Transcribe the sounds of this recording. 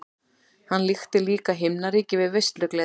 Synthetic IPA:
hanːlixt̪ɪliːkaɦɪmnaɾiːcɪvɪðvejst̪lʏklɛ

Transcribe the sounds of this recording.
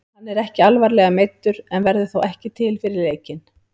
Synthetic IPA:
hanːɛɾɛhcɪalvaɾlɛɣamejt̪ːʏɾɛnvɛɾðʏθowɛhcɪt̪ʰɪlfɪɾɪɾleːjcɪn

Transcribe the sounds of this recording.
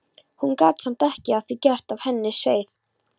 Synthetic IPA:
hunkaːt̪sɛm̥t̪ɛhcɪaθicɛr̥t̪av̥hɛnːɪsveːjθ

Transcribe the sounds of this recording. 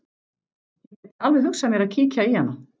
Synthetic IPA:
ɛɛalvɛhʏksːɛmjɛɾaðcʰiːcaihanːa

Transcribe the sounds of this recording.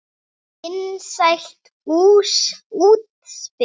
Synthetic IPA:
ɪnsajxt̪ | uːsuːt̪̚spɪ

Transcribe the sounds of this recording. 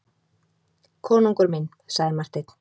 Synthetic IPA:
kʰɔːnuŋkʏɾmin | saɣðɪɾmar̥t̪ejt̪n̥

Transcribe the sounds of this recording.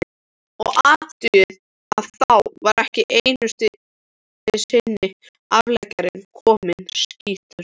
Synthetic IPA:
ɔɣat̪ʏɪð | aðθawvaɾʔɛhcɪʔejnʏst̪ɪ | ɪðsɪnːɪ | avlɛcaɾɪnkʰɔːmɪnsciːt̪ʏɾ

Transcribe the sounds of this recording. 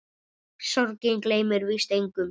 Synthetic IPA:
sɔɾcɪŋkleːjmʏɾvist̪ejŋkʏm

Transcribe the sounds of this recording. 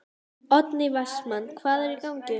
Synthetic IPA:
ɔt̪nɪvasmanːkʰvaːðɛɾikawɲcɪ

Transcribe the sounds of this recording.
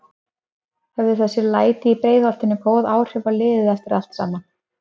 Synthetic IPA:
hɛvðɪθɛsːɪlaːjt̪ɪipɾeːjðɔlt̪ɪnːɪpʰoːwðaːwr̥ʏvalɪːðɪðɛft̪ɪɾʔa̰l̥t̪sa̰ːma

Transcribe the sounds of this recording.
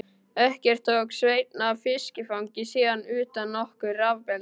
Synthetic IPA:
ɛhcɛr̥t̪ʰːoːwksveːjt̪naːvfɪscɪfawŋcɪsiːðanʏːt̪anːɔhkʏravpɛl

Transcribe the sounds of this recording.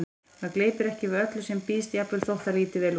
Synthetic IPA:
aðkleːjt̪ɪɾɛhcɪvɪœt̪lʏsɛmpiːst̪japɾɪlθowht̪aliːt̪ɪvɛːl

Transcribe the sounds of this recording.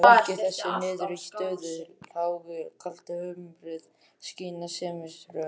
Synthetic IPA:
acɪθɛsːɪnɪːðʏɾɛcɪ̥st̪œːðʏhawɣɪɾkʰal̥t̪ahœːmpɾɪð | sciːnasɛːmɪsɾʏ

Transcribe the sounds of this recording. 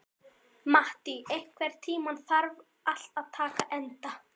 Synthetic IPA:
maht̪iejhkʰvɛɾ̥t̪ʰiːmanθaɾv | ʔal̥t̪aðt̪ʰaːkaʔɛnt̪a

